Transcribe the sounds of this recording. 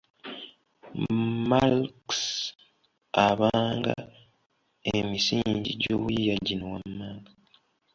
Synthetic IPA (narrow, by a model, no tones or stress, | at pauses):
malks | aβaːŋɡa | emisiːɲɟḭɟo̰ːβuijaɟinowamːaːɡḁ